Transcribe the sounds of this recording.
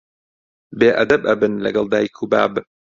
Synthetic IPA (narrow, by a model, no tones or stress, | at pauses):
beːʔɐd̪ɐbʔɐbɨnlɐ̰ɡɐlˠd̪aːjikʰuba̰ːb